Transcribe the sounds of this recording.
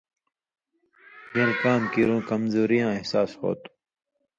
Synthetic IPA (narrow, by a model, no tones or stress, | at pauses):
jẽlkaːmkiɾõːkɐmzoːɾijãːehsaːsho̰ːt̪u̥